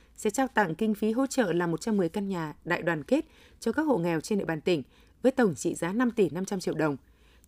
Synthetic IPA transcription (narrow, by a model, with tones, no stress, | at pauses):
sɛ̰˧˥t͡ɕaː˧wt̪a̰˧˨ŋkï˧ŋ̟fi˨˦ɦo̰˧˥t͡ɕə̰ː˧˨laː˨˩mo˨˩t̚t͡ɕa˧mːɨ˨˩əjka˧nɲaː˨˩ɗa̰ː˧˨jɗwaː˨˩nke˦˥t̚ | t͡ɕɔ˧kaː˦˥k̚ho̰˧˨ŋɛ˨˩wt͡ɕnɗḭ˧˨ɓaː˨˩nt̪ï˧˩ŋ̟ | vəː˨˦jt̪ə˨˩wŋ͡mt͡ɕḭ˧˨zaː˨˦na˧mt̪i˧˩na˧mt͡ɕa˧mt͡ɕḭ˧˨əwɗə˨˩wŋ͡m